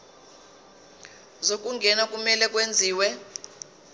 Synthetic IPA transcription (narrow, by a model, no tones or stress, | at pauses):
zok̬ʼuŋɡʱɛnak̬ʼumɛlɛk̬ʼwend͡zʱiːwɛ